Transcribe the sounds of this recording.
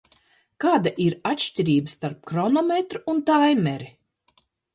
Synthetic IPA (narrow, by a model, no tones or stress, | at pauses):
kaːd̪aʔiɾat̪ʃʲtʲiɾʲiːbəst̪aɾp̚kɾɔnɔmʲet̪ɾuunt̪ajmʲɛɾi